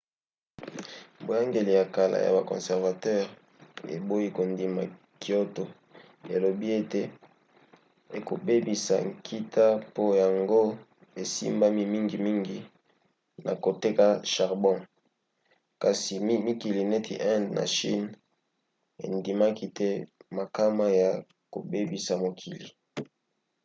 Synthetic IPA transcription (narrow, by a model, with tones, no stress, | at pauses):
bo˨ja˦ŋɡe˨li˨ja˨ka˨la̰˨ja̰˨ba˨kɔ̰̃˨sɛ˨ʁva˨tɛ˦ʁ | ḛ˨bo˦i˦ko˨ndi˨ma̰˨ | ki˦o˦to˨ | e˨lo˨bi˦e˦te˦ | e˨ko̰˨be˦bi˨sa̰˨ŋkʰi˦tʰa˦po˦ja˨ŋɡo˦ | e˨sḭ˦mba˦mi˦mi˦ŋɡi˨mi˦ŋɡi˨ | na̰˨ko˨te˦ka˦ʃa˨ʁbɔ̃˦ | ka˨si˨m˦mi˦ki˨li˨ne˦tʰḭ˨ʔɛ˦ndna̰˨ʃḭ˦n | ḛ˨ndi˨ma˦ki˦tɛ˦ma˨ka˦ma˦ja˨ | ko̰˨be˦bi˨sa˨mo˨kʰi˨li˨